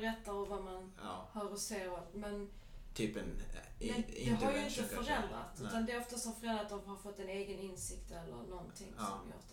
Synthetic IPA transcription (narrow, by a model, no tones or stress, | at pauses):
ɾɛt̪ːaɾɔmvaman | hœːɾɔseːɾɔvmɛn | t̪ʰyːpɛnɛd̪ɛɦaɾjəɪnt̪əfœɾɛnd̪ɾa̰t̪ʉ̟t̪and̪ɛɔft̪asɔfœɾɛnɾat̪d̪ɔmhaɾfɔt̪ːɛneːɡənɪnsɪkt̪ɛlːə̰ɾnɔnt̪ʰɪŋsɔ̰mjœ̰ːd̪ɛ